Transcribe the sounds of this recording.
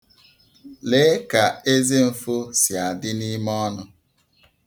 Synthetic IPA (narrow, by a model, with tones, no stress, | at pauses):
le˨˦ka˨e˦ze˦m̩˨fo˦sja˨dɪ˦ni˦mɔ˦nʊ˦